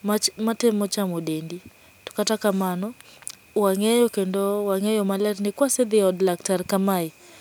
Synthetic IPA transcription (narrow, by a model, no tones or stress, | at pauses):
amatɛmɔt͡ʃamodendi | tɔ̥katakamanɔ | waŋɛjɔkendowaŋɛjɔmalɛtnɪkwasɛd̪ɪɔdlaktarkamaɪ